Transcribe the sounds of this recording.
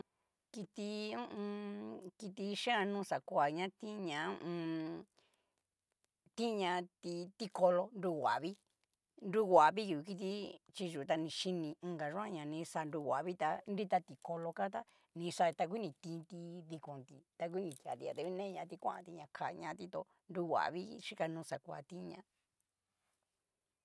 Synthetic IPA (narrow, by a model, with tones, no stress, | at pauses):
ki˧t̪i˧ũ˦ũ˧ki˧t̪̬i˧ʃẽ˦ã˧nũː˦sa˨kʷa˨ɲã˦t̪ĩ˦˧ɲã˧˦ũ˦ʔũ˧ | t̪ĩ˦˧ɲã˧t̪i˧t̪i˦ko˧lo˧nɾu˧wʷa̰˨βi˦ | nɾu˦wʷa˨βi˦ju˨i˧ki˧t̪̬i˧˦t͡ʃi˧ʒu˨˧t̪a˧nĩ˧ʃi˧nĩ˧ɡa˨˧ʒã˦ɲã˨˧nĩ˧˦sa˧nɾu˧wʷa˨βi˦t̪a˧nɾi˦t̪a˧t̪i˧ko˧lo˧ka˦t̪̬a˦ | nĩ˧sa˧t̪a˧k̬ʷi˦nĩ˧t̪ĩː˧t̪i˧ði˧kõ˨nt̪i˧t̪a˧k̬ʷui˦nĩ˧t̪ja̰˨t̪i˧ja˧t̪e˧βi˦nẽ˦˧ɲã˧t̪i˧kʷã̰˦ʔã˧t̪i˧ɲã˧kʰa˧˨˧ɲã˧˦˧t̪i˧t̪o˧ | nɾu˧˦wʷa̰˨βi˦˧ʂi˦ka˧nũː˧sa˨kʷa̰˧˨t̪ĩ˦˧ɲã̰˧